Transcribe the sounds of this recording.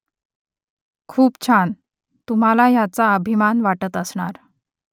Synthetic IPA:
kʰuːpt͡ɕʰan | t̪um̤alaɦjat͡saəbʱimanʋaʈət̪əsɳa̰ɾ

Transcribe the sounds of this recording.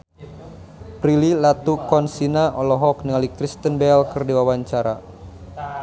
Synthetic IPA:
pɾililat̪ukɔnsinaʔɔlɔɦɔk̚nialikɾist̪ənbɛlkɨrdiwawaɲt͡ʃaɾa̰

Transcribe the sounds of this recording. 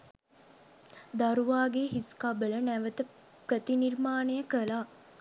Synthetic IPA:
d̪aɾuʋaːɡeɦiskabələnæʋət̪ə | pɾət̪inirmaːnejəkəla

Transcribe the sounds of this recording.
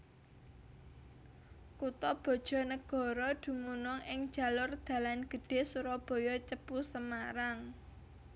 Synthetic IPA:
kut̪ɔb̥ɔ̤d̥ʒ̥ɔ̤nəɡ̥ɔ̤ɾɔd̪̥ṳmunɔŋɪŋ̥ʒ̥ä̤lʊrd̪̥ä̤lanɡ̥ə̤ɖ̥e̤suɾɔb̥ɔ̤jɔt͡ʃəpusəmaɾaŋ

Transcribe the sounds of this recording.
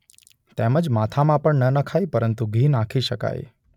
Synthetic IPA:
t̪eməd͡ʒmat̪ʰamãpəɳnənəkʰajpəɾənt̪uɡʱinãkʰiʃəka̰j

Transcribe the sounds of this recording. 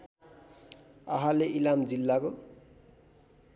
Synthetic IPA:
ʌɦaleʔilamd͡zilːako

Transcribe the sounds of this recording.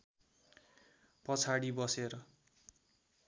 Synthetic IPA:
pʌt͡sʰaɽibʌseɾʌ

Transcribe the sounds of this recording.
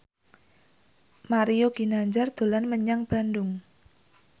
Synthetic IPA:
maɾioɡ̥i̤naɲd͡ʒard̪̥o̤lanməɲaŋb̥a̤ndʊŋ

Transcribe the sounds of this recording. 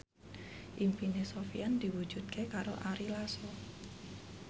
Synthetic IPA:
ʔimpinesofijand̪̥iwu̥d͡ʒ̥ud̪̥̚kʰekaɾo̰ʔaɾilasɔ

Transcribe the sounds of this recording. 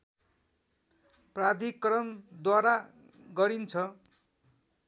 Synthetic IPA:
prad̪ʱikrʌnd̪waɾa | ɡʌɾint͡sʰʌ

